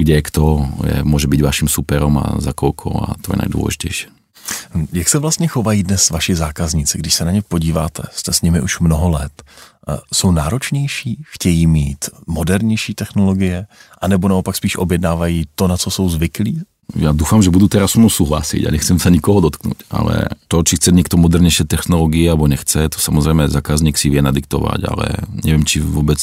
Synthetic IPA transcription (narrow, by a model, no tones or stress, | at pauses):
ɡɟɛɛkt̪ɔjɛ̰mʊɔʒɛbiɟʋaʃimsupɛɾɔma̰zakɔlkʰɔ̰a̰t̪ɔjɛna̰d̪ʊwɔ̰lɛ̰ʒicɛjʃɛ̥ | jaksɛvlast̪ɲɛxovajiːdnɛsvaʃɪzaːkazɲɪt͡sɪɡdɪʃsɛnaɲɛpo̞ɟiːva̰ːt̪ʰɛ̰st̪ɛsɲɪmɪʔuʃmnoɦolɛt̪ | sownaːɾot͡ʃɲɛjʃiːxcɛjiːmiːt̪modɛɾɲɛjʃiːt̪ɛxnoloɡɪjɛʔanɛbonaopakspiːʃʔo̰bjɛdnaːvajiːt̪o̞nat͡soso̞wzvɪkliː | jaːd̪uːfamʒɛbud̪ut̪ɛɾasumusuːɦla̰sɪ̰ɟa̰ɲɛxt͡sɛmsaɲikɔɦɔd̪ɔt̪knṵca̰lɛ̰t̪ɔt͡ʃixt͡sɛɲɛkt̪ɔmɔd̪ɛɾɲɛjʃɛt̪ɛxnɔlɔɡɪɛalɛbɔɲɛxt͡sɛt̪o̥samɔzɾɛjmɛzaːkazɲiːksivɪɛnad̪ɪkt̪ɔ̰ʋa̰ca̰lɛ̰ɲɛ̰ʋɪɛmt͡ʃivɔbɛt͡s